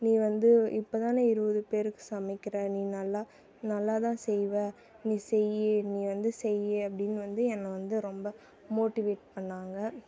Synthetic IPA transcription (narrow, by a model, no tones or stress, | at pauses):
nĩːʋɐnd̪ɯɪpːot̪ãːneɪɾɯbɐðɯpeːɾɯkːɯ̥sɐmɪkːɪɾɐniːnɐlːaː | nɐlːaːt̪ãːsɛjʋɐ | nĩːsɛjːeniːʋɐnd̪ɯsɛjːeɐpːɐɽɪnːɯʋɐnd̪ɯɛnːɐʋɐnd̪ɯɾɔmbɐ | moːʈɪʋeːʈ̚pɐɳːaːŋɡɐ